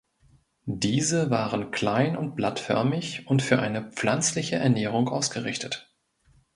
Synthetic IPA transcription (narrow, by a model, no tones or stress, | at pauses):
d̥iːzəvaːʁənkʰl̥aɪnʊnt̚b̥latfœ̰ɐmɪçʊntfyːɐʔaɪnəp͡flant͡slɪçəʔɛ̰ɐnɛːʁ̞ʊŋʔaʊsɡ̥əʁɪçtət